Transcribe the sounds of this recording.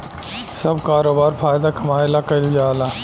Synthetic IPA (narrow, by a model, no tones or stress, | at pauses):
sɐbkaːɾoːbaːɾpʰaːjd̪akɐmaːɪlakɐɪld͡ʒaːlaː